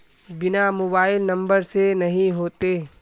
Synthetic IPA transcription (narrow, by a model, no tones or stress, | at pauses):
bɪnamoːbaːɪlnɐ̃mbəɾsenɐɦĩɦoːt̪eː